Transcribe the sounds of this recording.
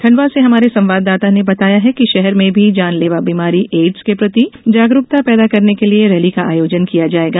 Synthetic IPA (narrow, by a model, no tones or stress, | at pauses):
t̪ʰɐ̃ɳɖʋaseɦɐmaːɾesɐ̃mʋaːd̪ːaːt̪anebɐt̪aːjaɦɛkiʃɛɦɛɾmẽbʱid͡ʒaːnleːʋabiːmaːɾiʔeːɖskepɾɐt̪id͡ʒaːɡɾʊkt̪apɛːd̪akɐɾnekelieɾɛːlikaʔaːjoːd͡ʒənkijad͡ʒaːeːɡaː